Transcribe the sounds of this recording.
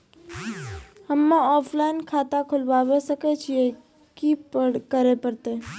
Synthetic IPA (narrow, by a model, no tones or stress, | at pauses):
hɐmːãɔːpʰlaːɪnkʰaːt̪akʰʊlʋaːʋesəket͡ʃʰie | kikəɾepəɾt̪e